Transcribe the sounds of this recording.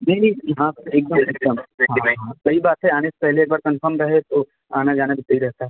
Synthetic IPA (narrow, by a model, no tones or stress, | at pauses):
meːɾiɦãeːk̚d̪əmeːk̚d̪əmɦãɦãkɐibaːt̪ɦɛaːneːse̥pɛɦleeːk̚baːɾkɐ̃nfəɾmɾɐɦet̪oː | aːnad͡ʒaːnabʱɪt̪ɐɦiɾɛɦt̪aɦɛ